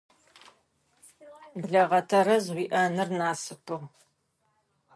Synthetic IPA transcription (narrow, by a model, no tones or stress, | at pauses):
bɮɐʁɐtʰɐɾɐzʁʷiːʔɐnɨrnaːsɨpʰɨʁ